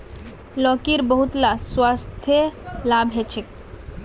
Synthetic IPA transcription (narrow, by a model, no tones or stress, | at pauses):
lɔkiɾbəɦut̪laswast̪ʰjəlabɦet͡ʃʰek